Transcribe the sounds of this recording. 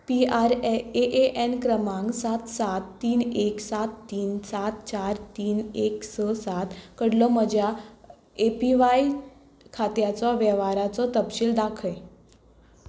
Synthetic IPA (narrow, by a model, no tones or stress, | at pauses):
piaɾeʔeʔenkɾəmãŋɡsat̪sat̪ːiːneksat̪ːiːnsat̪̚t͡ɕaɾt̪iːneksəsat̪kəɽlɔməd͡ʑʱja | epiʋai | kʰat̪jat͡sɔʋjəʋaɾat͡sɔt̪əpɕiːld̪akʰəj